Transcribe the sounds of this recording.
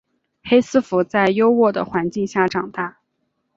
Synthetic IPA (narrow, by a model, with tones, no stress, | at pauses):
xe˥ɪsɹ̩˥fu˧˥t͡sa˥˩ɪjo˥ʊwɔ˥˩d̪ə̰˩xwa˧˥nt͡ɕi˥˧ŋɕja˥˩ʈ͡ʂɑ˨˩ŋt̪a˥˩